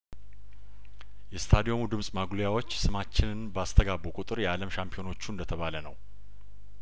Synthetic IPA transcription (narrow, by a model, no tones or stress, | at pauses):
jɛst̪ʰad̪io̞mud̪ɨmsʼmaɡlojawo̞t͡ʃːsɨmat͡ʃːɪnɨnbəast̪ʰəɡabukʼut̪ʼɨɾjɛaləmʃampʰijo̞no̞t͡ʃːuɨnd̪ət̪ʰəβalənə̰w